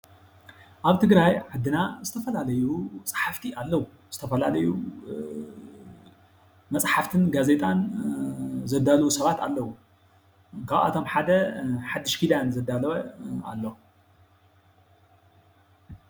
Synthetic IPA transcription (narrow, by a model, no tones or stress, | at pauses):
ʔaβt̪ʰɨɡɾajʕad̪ːɨnazɨt̪ʰɐfɐlalɐjusʼḁħaft̪ʰialːɐwu | z̥ɨt̪ʰɐfɐlalɐju | mɐt͡sʼħaft̪ʰɨnɡaze̞t̪ʼan | zɐd̪ːalɐwusɐβat̪ʰa̰lːɐwu | kʰaβa̰t̪ʰo̞mħad̪ɐħad̪ːɨʃkʰid̪anzɐd̪ːalɐβɐa̰lːo